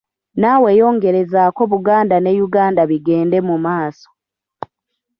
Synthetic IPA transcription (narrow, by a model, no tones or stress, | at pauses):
nawe̞ːjo̞ːŋɡe̞ɾe̞zako̞βuɡaːndane̞juɡaːndaβiɡe̞ːnde̞mumaːso̥